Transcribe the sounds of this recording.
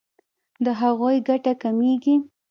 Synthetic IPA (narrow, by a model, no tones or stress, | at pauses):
d̪əɦaɣojɡaʈakameɡi